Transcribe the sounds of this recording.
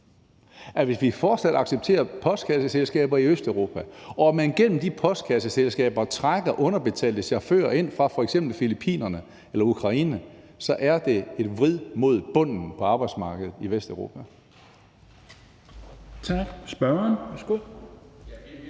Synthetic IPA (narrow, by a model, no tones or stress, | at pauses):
æʋe̝sʋifɒːd̥sæd̥ɑ̈ɡ̥seb̥̚t͡sʰe̝̰ːɐpʰɒ̽sd̥kʰæsəselsɡ̥ɛ̰ːb̥ɐiøsd̥øʊʁo̝ːpʰæɒ̽æmænɡ̥en̰m̩d̥ipʰɒ̽sd̥̚kʰæs̬əselsɡ̥ɛ̰ːb̥ɐt͡sʰʁaɡ̥ɐʔɔ̽nɐb̥e̝t͡sʰɛ̰ːld̥əɕæɐfø̰ːɐe̝n̰fʁɑ̈fɒ̽eɡ̥sem̰b̥l̩filipʰḭːnɐnə | elɐukʰʁɑ̈iːnə | sɒ̽ʔæɐd̥e̝e̝d̥ʋʁið̰ˠmo̝ð̞̰ˠb̥ɔ̽n̰n̩pʰɒ̽ɑ̈ːb̥ɑ̈ɪd̥smɑ̈ːɡ̥əð̩ˠiʋesd̥øʊʁo̝ːpʰæ | t͡sʰɑɡ̥sb̥ɶɐɐnʋæsɡ̥oðˠ